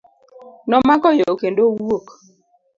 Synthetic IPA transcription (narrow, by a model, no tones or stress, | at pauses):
nɔmakɔjookendowwok